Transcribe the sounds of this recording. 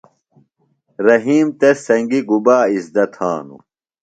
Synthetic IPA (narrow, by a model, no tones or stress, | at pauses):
ɾɐɦiːmt̪esɐŋɡiɡubaːisd̪ɐt̪ʰaːnṵ